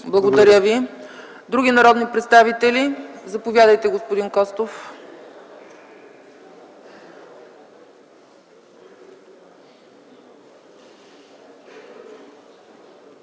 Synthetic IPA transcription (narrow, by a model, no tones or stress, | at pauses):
blˠɐɡod̪ɐɾʲjəvi | d̪ɾuɡinɐɾɔd̪nipɾɛt̪st̪avit̪ɛlizɐpovʲjad̪əjt̪ɛɡospod̪inkɔst̪of